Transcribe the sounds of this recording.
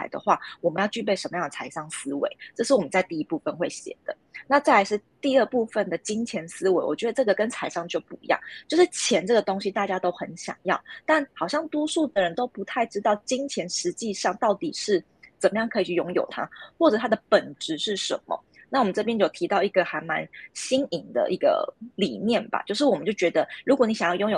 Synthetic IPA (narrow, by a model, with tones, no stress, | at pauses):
a̰˧˥ɪd̪ə̰˨xwa̰˥˩wɔ˨˩mə˧˦njɑ˥˧ʊt͡ɕy˥˧p̬e˥˩ɪʂə˧˥nmə˦jɑ˥˩ŋd̪ə˩t͡sʰa˧˥ɪʂɑ˥˩ŋsɹ̩˥wḛ˧˦ɪʈ͡ʂɤ˥˧ʂɻ̩˥˩wɔ˨˩mə˦t͡sa˥˧ɪt̪i˥˩i˧˥pu˥˧fə˧˨nxwe˥˩ɪɕjɛ̰˨˩d̪̥ə˦na˥˧t͡sa˥˩ja˧˥ɪʂɻ̩˥˧t̪i˥˧ə˥˧pu˥˧fə˥˩nd̪ə˩t͡ɕi˥ŋt͡ɕʰjɛ˧˥nsɹ̩˥we˧˥ɪwɔ̰˨˩t͡ɕɥɛ˧˥ə˨ʈ͡ʂɤ˥˩ɡə˩kə˥nt͡sʰa˧˥ɪʂɑ˥˧ŋt͡ɕjo˥˧ʊpu˥˩ḭ˧˥jɑ̰˥˩ŋt͡ɕjo˥˧ʊʂɻ̩˥˩t͡ɕʰjɛ˧˥nʈ͡ʂɤ˥˩ɡə˩t̪o˥ŋɕi˧˥t̪a˥˩t͡ɕja˥t̪o˥ʊxə˧˦nɕjɑ̰˨˩ŋjɑ̰˥˩ʊt̪a˥˩nxɑ˨˩ʊɕjɑ˥˩ŋt̪wɔ˥su˥˩d̪ə˩ɻə˧˦nt̪o˥ʊpu˧˥t̪ʰa˥˩ɪʈ͡ʂɻ̩˥t̪ɑ˥˩ʊt͡ɕi˥ŋt͡ɕʰjɛ˧˥nʂɻ̩˧˥t͡ɕi˥˧ʂɑ˥˧ŋt̪ɑ˥˩ʊt̪i˨˩ʂɻ̩˥˩ | t͡sə˨˩mə˦jɑ˥˩ŋkʰɤ˧˥i˨t͡ɕʰy˥˩jo˧˥ŋjo̰˨˩ʊt̪ʰa̰˦xwɔ˥˩ʈ͡ʂɤ˨˩t̪ʰa˥d̪ə˨pə˨˩nʈ͡ʂɻ̩˧˥ʂɻ̩˥˩ʂə̰˧˥nmə̰˨˩ | na˥˩wɔ˨mə˦nʈ͡ʂɤ˥˩p̬jɛ˥njo˥˩ʊt̪ʰi˧˥t̪ɑ˥˩ʊi˧˥ɡə˨xa˧˥ɪnma̰˧˥nɕi˥ŋi˨˩ŋd̪ə̰˧ʔi˧˩ɡə̰˧lḭ˨˩mjɛ˥˩nba̰˨˩t͡ɕjo˥˧ʊʂɻ̩˥˩wɔ˨˩mə˦t͡ɕo˥˩ʊt͡ɕɥɛ˧˥d̪ə˧ɻu˧˥kwɔ˧˦ni˨˥ɕjɑ˨˩ŋjɑ˥˩jo˧˥ŋjo˨˩